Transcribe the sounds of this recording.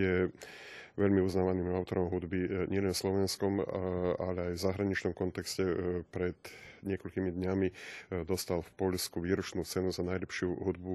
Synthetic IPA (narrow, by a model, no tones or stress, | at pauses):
ɛ | ʋɛʎmiuznaːʋaniːmaʊt̪ɔɾɔmɦud̪biɲɪɛlɛnslɔʋɛnskɔmalɛajvzaɦɾaɲit͡ʃnɔmkɔnt̪ɛkscɛpɾɛd̪ɲɪɛkɔʎkimid̪ɲamid̪ɔst̪alfpɔʎskuʋiːɾɔt͡ʃnuːt͡sɛnuzanajʎɛpʃɪuɦud̪̚bu